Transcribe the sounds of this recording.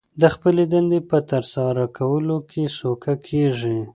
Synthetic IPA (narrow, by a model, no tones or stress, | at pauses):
d̪əxpəled̪and̪epət̪əɾsɑɾakʰawəlokʰesokakʰeʐi